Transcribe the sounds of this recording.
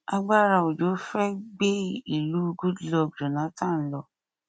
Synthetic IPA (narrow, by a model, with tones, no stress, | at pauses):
a˧ɡ͡ba˦ɾa˧˨o˨d͡ʒo˨˦fɛ˦ɡ͡be˦i˦˨lu˨˦˧ɡu˦dlɔ˧˨d͡ʒo˨nã˨˦tã˦˨n̩˦lɔ˧